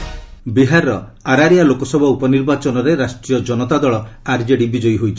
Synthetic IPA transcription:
biɦaɾːɔaɾaɾijalokɔsɔbʱɔupɔniɾbat͡ʃɔnɔɾeɾasʈɾijɔd͡ʒɔnɔt̪ad̪ɔɭɔaɾd͡ʒeɽibid͡ʒɔjɦojt͡ʃʰi̥

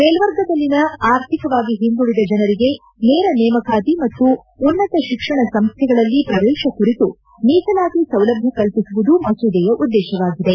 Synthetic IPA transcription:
peːlʋɐɾɡɐd̪ɐlːinɐaːɾt̪ʰikɐʋaːɡiɦind̪uɽid̪ɐd͡ʒɐnɐɾiɡe̞ | nɛːɾɐnɛːmɐkʰaːt̪imɐt̪ːuː | nːɐt̪ɐʃikʂɐɳɐsɐmst̪ʰɛɡɐɭɐlːipɾɐʋɛːʃɐkuɾit̪u | niːt̪ɐlaːɡisɐwlɐbʱjɐkɐlpisuʋud̪umɐsud̪ɛjɐʔud̪ːɛːʃɐʋaːɡid̪e

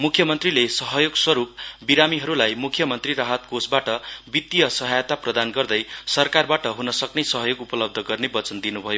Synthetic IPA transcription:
mukʰjʌmʌnt̪rilesʌɦʌjoɡswʌɾup̚biɾamiɦʌɾulajmukʰjʌmʌnt̪riɾaɦʌt̪̚kosbaʈʌbit̪ːijʌsʌɦajt̪aprʌd̪anɡʌrd̪ʌjsʌrkarbaʈʌɦunʌsʌknesʌɦʌjoɡupʌlʌb̚d̪ʱʌɡʌrnebʌt͡sʌnd̪inubʱʌjo

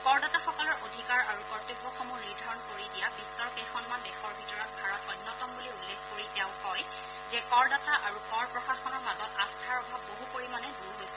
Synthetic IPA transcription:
kɔɹdataxɔkɔlɔɹʔodʱikaɹaɹukɔɹtobːɔxɔmuniɹdʱaɹɔnkoɹidijabisːɔɹɔkejxʰɔnmandɛxɔɹbʱitɔɹɔt̚bʱaɹɔtɔjnːɔtɔmbuliulːeɡkoɹitɛʊ̃kɔj | zɛkɔɹdataʔaɹukɔɹpɹɔxaxɔnɔɹmazɔtastʰaɹɔbʱab̚boɦukoɹimanɛduɹɦojsɛ̥

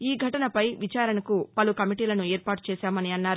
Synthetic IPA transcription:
iːɡʱɐʈɐnɐpɐjʋit͡ʃaːɾɐnɐkupɐlukɐmiʈiːlɐnuɛːɾpaːʈu̥t͡ʃɛːsaːmɐniɐnːaːɾu

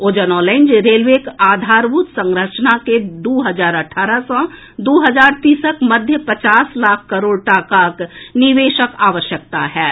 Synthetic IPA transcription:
oːd͡ʒənɔːlãɪnd͡ʒɾeːlʋeːkaːd̪ʱaːɾbuːt̪sə̃ŋɡɾət͡ʃnaked̪oːɦəzaːɾɐʈʰaːɾasã | d̪oːɦəzaːɾt̪iːsəkmɐd̪ʱjəpɐt͡ʃaːslaːkʰkɐɾoːɽʈaːkaːknɪʋeːʃəkaːʋəʃjək̚t̪aɦɛː

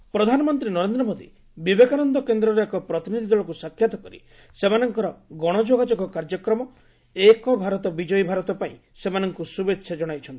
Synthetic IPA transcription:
pɾɔd̪ʱanɔmɔnt̪ɾinɔɾend̪ɾɔmod̪ḭ | bibekaɾɔnd̪ɔkend̪ɾɔɾeekɔpɾɔt̪inid̪ʱid̪ɔɭɔkusakʰjat̪ɔkɔɾḭ | semanɔŋkɔɾɔɡɔɽ̃ɔd͡ʒoɡad͡ʒɔɡɔkaɾd͡ʒɔkɾɔmɔ | ekɔbʱaɾɔt̪ɔbid͡ʒɔjbʱaɾɔt̪ɔpaḭ̃ | semanɔŋkusubetːʃʰad͡ʒɔɽ̃ajt͡ʃʰɔnt̪i̥

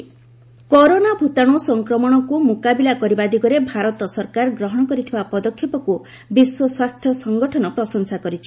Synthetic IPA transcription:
kɔɾonabʱut̪aɽ̃usɔŋkɾɔmɔɽ̃ɔkumukabilakɔɾibad̪iɡɔɾebʱaɾɔt̪ɔsɔɾkaɾɡɾɔɦɔɽ̃ɔkɔɾit̪ʰibapɔd̪ɔkʰːjɔpɔku | biswɔswast̪ʰjɔsɔŋɡɔʈʰɔnɔpɾɔsɔŋsakɔɾit͡ʃʰi̥

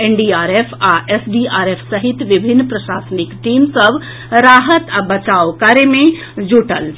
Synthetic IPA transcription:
enɖiaɾepʰaʔesɖiaɾepʰsəɦit̪ʋibʱinːpɾəʃaːsənikʈimsəbʱ | ɾaɦət̪abət͡ʃaokəɾemẽ | d͡ʒuʈəl

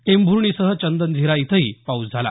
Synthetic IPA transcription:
embʱuɾɳ̃isəɦət͡ɕənd̪ənd͡zʱiɾait̪ʰəɦiːpaut͡sd͡zʱala̰

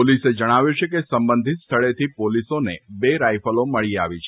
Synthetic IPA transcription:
olised͡ʒəɽ̃aʋjut͡ʃʰekesəmbə̃nd̪ʱit̪st̪ʰəɭet̪ʰipolisonebeɾajfəloməɭiaʋit͡ʃʰ

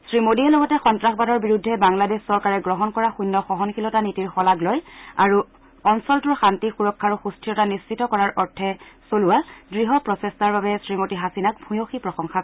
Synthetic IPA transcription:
sɹimodiɛlɔɡɔtɛxɔntɹaxbadɔɹbiɹudʱːɛbaŋladeʃsɔɹkaɹɛɡɹɔɦɔnkɔɹaxujnːɔxɔɦɔnkʰilɔtanitiɹxɔlaɡlojaɹu | ɔnsɔltʊɹxantixuɹɔkʰːaɹuxustijɔtanist͡ʃitɔkɔɹaɹʔɔɹtʰɛsoluwadɹiɦɔpɹɔsestaɹbabɛsɹimotiɦasinak̚bʱujoxipɹɔsɔŋxa

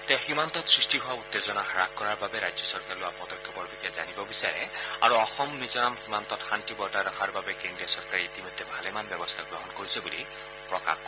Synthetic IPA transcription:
tɛximant̪ɔtsɹisʈiɦʊwaut̪ːezɔnaxaɹakkːɔɹaɹbabɛɾajzjɔsɔɹkaɹilʊwapɔdɔkʰjɔpɔɹbikʰɛza̰nibɔbisaɹɛ̰a̰ɹuɔxɔmnizɔnamximant̪ɔtxantibɔɹtadɔxʰaɹbabɛkindijasɔɹkaɹiːtimɔjd̪ʱːjɛbʱalɛmanbjɔbɔst̪ʰaɡɹɔɦɔnkoɹisɛbuli | pɹɔka̰kɔ

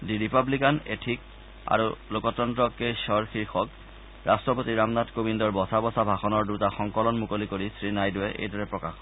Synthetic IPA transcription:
diɹipablikanetʰik̚ | a̰ɹulokɔtɔntɹɔkejsɔɹkʰiɹxʰɔk | ɹʔastɹɔpotiɹamnatkobindɔɹbɔsʰabɔsʰabʱaxɔnɔɹdutaxɔŋkɔlɔnmukolikoɹisɹinajdʊɛʔḛjdʱɔɹɛpɹɔkax

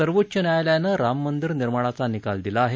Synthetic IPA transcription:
əɾʋotːɕənjajljanəɾamːənd̪iɾniɾməɭat͡sanikald̪ilaːɦe

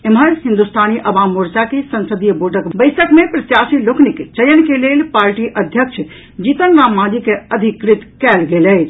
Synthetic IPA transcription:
emɦəlɦĩnd̪ust̪ʰaniʔəbamuɾt͡ʃakesənsəd̪ijəboɖʱəkbəɪsəkmepɾət̪jasilokniket͡ʃəjənkelelpaːɾʈiʔəd̪ʱjəkt͡ʃʰ | d͡ʒit̪ənɾãmːãd̪ikeəd̪ʱikɾit̪kɛːlɡelɛt͡ʃʰ

